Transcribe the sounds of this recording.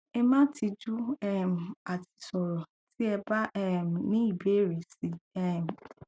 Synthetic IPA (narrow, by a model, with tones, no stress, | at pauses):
ɛ˧mã˦ti˧d͡ʒu˦ɛ˦m̩˨a˨tʰi̥˧sɔ˨ɾɔ˨ | ti˦ɛ˧ba˦ʔɛ˦m̩˨nĩ˦i˦˨be˨˦˨ɾe˨si˨˦ɛ˦m̩˨